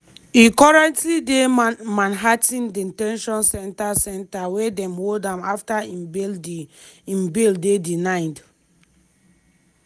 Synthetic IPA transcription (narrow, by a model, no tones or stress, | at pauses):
ikɔɹɛ̃ntlidemãnɦatĩndintɛ̃nʃɔ̃nsɛ̃ntasɛ̃ntawedɛ̃mwodãmaftaĩmbel | ĩmbeldedinãɪd